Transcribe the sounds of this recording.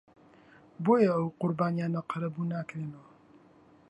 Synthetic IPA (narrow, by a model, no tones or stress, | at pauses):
boːjɐɐwqʊɾbaːnijaːnɐqʰɐɾɐbuːnaːkɾenɐw